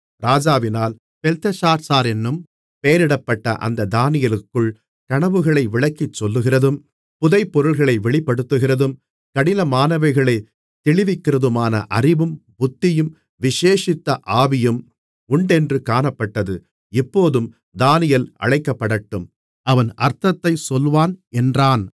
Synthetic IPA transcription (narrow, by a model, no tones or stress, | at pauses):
ɾaːd͡ʒaːʋɪnaːl | pɛlt̪ɐsaːɾsaːɾɛnːɯm | pejɐɾɪɽɐpːɐʈːɐ̰ʔɐ̰nd̪ɐd̪aːnɪjɐlɯkːɯɭ | kɐɳɐʋɯɣɐɭɐɪʋɪɭɐkːɪt͡ʃːɔlːɯɣɪrɐðɯm | pʊðɐɪpːɔɾɯɭɣɐɭɐɪʋɛɭɪpːɐɽɯt̪ːɯɣɪrɐðɯm | kɐɽɪnɐmaːnɐʋɐɪɣɐɭɐɪ | t̪ːɪɭɪʋɪkːɪrɐðɯmaːnɐ̰ʔɐrɪʋɯmbʊt̪ːɪjɯm | ʋɪʂeːʂɪt̪ːɐʔaːʋɪjɯm | ʊɳɖɛndrɯkaːnɐpːɐʈːɐðɯ | ɪpːoːðɯm | d̪aːnɪjɐlʔɐ̰ɻɐɪkːɐpːɐɽɐʈːɯm | ɐʋɐnɐɾt̪ɐt̪ːɐɪsɔlʋaːnɛndraːn